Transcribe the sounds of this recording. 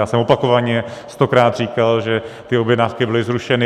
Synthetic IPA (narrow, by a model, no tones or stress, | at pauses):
aːsɛmo̞pako̞vaɲɛst̪o̞kɾaːt̪r̝iːkalʒɛt̪ɪobjɛdnafkɪbɪlɪzɾuʃɛnɪ